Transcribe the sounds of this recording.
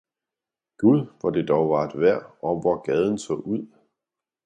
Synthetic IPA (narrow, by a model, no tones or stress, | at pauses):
ɡ̥uðˠʋɑd̥e̝d̥ɒʊʋɑ̈ed̥ʋæɐ̰ɒʋɒɡ̥ɛːð̞ˠn̩sʰɔ̰ːuð̞̰ˠ